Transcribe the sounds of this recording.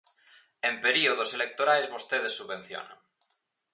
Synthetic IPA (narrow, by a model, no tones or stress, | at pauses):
ẽmpeɾioð̞oselek̚t̪oɾaezβost̪eð̞esːuββẽ̞n̟θjo̰na̰ŋ